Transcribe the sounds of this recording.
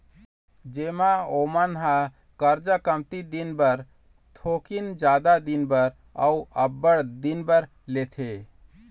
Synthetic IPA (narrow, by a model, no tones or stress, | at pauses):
d͡ʒemaomənɦã | kəɾd͡ʒəkəmt̪id̪inbəɾ | t̪ʰokind͡ʒad̪ad̪inbəɾ | a̰uəbːəɽd̪inbəɾ | let̪ʰe